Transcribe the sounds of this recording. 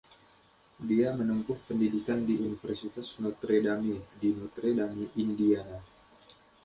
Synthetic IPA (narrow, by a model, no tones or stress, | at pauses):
diamənumpʊhpəndidikandiʔunifərsit̪asnot̪ɾedamidinot̪ɾedamiʔindia